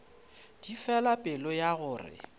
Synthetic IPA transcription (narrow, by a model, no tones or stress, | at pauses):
d̥ifɛlapʼɪlɔjaɣʊːrɪ̰